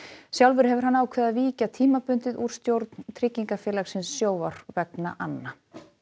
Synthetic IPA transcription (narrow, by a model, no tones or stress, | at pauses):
sjawlvʏɾhɛvʏɾ̥ɦanːaːwkʰvɛːðaviːcat̪ʰiːmapʏnt̪ɪðuɾ̥st̪jowɾt̪nt̪ʰɾɪciŋkafjɛːlaxsɪnsːjoːwvaɾ̥vɛkna̰ʔanːa